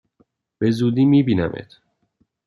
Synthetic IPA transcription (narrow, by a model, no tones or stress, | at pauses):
b̥e̞zuːd̪iːmiːbiːnæmʔḛt̪ʰ